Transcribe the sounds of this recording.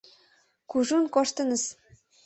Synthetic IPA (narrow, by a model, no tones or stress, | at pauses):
kuʒunkoʃt̪ɤ̆nɤ̆s